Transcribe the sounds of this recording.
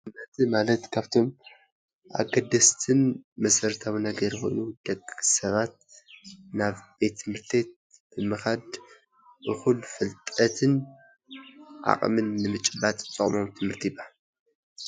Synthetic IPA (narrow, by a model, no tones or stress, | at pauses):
ɨmɐt̪ʰimalɐt̪kʰaβt̪ʰo̞m | ʔa̰ɡɐd̪ɐst̪ʰɨnmɐsɐɾt̪ʰawinɐɡɐɾxo̞̰jnud̪̥ɐɡsɐβat̪̚ | naβb̥et̪ʰːɨmhɨɾt̪ʰet̪̚ | b̥ɨmɨxad̪ | ʔɨxulfɨlt̪ʼɐt̪ʰɨn | ʕa̰χʼmɨnːɨmɨt͡ʃʼɨbat̪ʼt͡sʼɨχʼmo̞mt̪ʰɨmhɨɾt̪ʰibaal